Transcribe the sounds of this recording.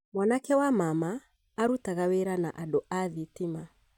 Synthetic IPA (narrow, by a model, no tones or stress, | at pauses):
mwanakɛwamamaː | ɾutaɣaweɾanaʔadoʔaðitima